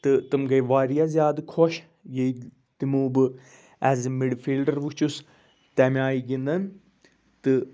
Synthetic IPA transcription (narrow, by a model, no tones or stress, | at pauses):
t̪ɨt̪ɨmɡɐjʋaːɾijazʲjaːd̪ɨkʰoʃ | je | t̪imuːbɨ | ɛzmiɖfʰiːlɖɐɾʋut͡ʃus | t̪ɛmʲaːiɡind̪ɐn | t̪ɨ